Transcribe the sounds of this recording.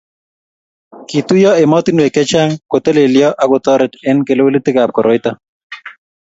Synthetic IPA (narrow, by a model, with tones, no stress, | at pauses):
kit̪u˦jɔ˦e˨mɔ˦t̪i˦nwe˨kɛ˦t͡ʃa˦ŋko˨t̪e˦le˨ljɔ˦ʔa˨˦ɡo˨t̪ɔ˦ɾɛ˨tɛ˦nke˨lo˦we˦li˦t̪ɪ˦ka˨p̚kɔ˨ɾʔɔ˨jt̪a˦